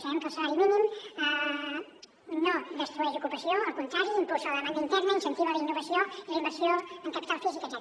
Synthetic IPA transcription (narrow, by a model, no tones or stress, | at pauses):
səɛmkəlˠsəβaɾiminimə | noðəst̪ɾuɛʒukupəsioəlˠkunt̪ɾaʒiːmpozəlˠðəmand̪int̪ɛɾnəinsənt̪iβələinːuβəsioiləimbəɾsioəŋkəpit̪alˠfizikəzɛ